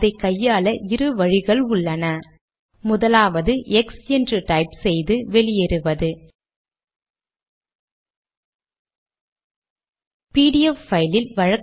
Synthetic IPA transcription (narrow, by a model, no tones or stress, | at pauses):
ðɐɪkːɐjːaːlɐʔɪɾɯʋɐɻɪɣɐɭʊɭːɐnɐ | mʊðɐlaːʋɐðɯʔɛksɛndrɯʈɐɪpsɛjðɯʋɛɭɪjɛɾɯʋɐðɯ | piːɽɪɛffɐɪlɪlʋɐɻɐk